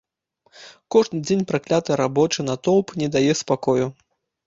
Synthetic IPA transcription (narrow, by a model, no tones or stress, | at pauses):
kɔʐnɨd͡zʲenʲpɾaklʲat̪ɐɾabɔt͡ʂɨnɐt̪ɔlˠpnʲɛd̪ajɛspakɔju